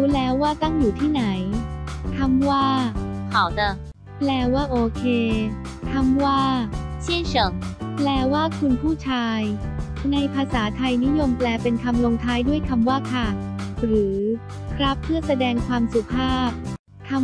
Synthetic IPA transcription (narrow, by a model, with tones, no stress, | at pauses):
uː˦˥lɛː˦˥wːaː˥˩t̪a˥˩ŋjuː˨˩t̪ʰiː˥˩na˩˦jt̪ʰa˧˥mwaː˥˩kʰa˨˩˦wd̪a˧˩ | plɛː˧waː˥˩ʔoː˧kʰeː˧ | t̪ʰa˧˥mwaː˥˩t͡ɕʰi˥˩t͡ɕʰɤ˨˩˦ŋplɛː˧waː˥˩kʰu˧npʰuː˥˩t͡ɕʰaː˧j | na˧jpʰaː˧saː˩˦t̪ʰa˧jni˦˥jo˧mplɛː˧pe˧nkʰa˧mlo˧ŋt̪ʰaː˦˥jdu˥˩əjkʰa˧mwaː˥˩kʰa˥˩ɾɯː˩˦ | kʰɾa˦˥pʰːɯ˥˩ɐsa˧dɛː˧ŋkʰwaː˧msu˨˩pʰaː˥˩p̚ | t̪ʰa˧